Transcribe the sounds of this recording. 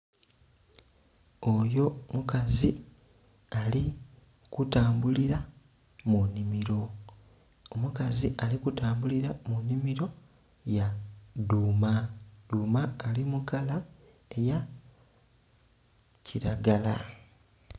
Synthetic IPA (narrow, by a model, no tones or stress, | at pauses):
o̞jo̞mukazi | ali | kutaːmbuliɾa | munimiɾo̞ | omukaziʔalikutaːmbuliɾamunːimiɾo̞ | jaduːmad̥uːmaːlimukala | eja | ciɾaɡala